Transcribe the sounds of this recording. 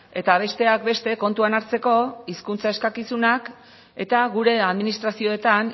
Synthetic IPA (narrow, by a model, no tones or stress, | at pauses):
e̞t̪aβ̞e̞st̪e̞ak̚be̞st̪e̞ko̞nt̪uanaɾt͡se̞ko̞iskunt͡sae̞skakisunak | e̞t̪aɣuɾe̞aðminist̪ɾasio̞et̪an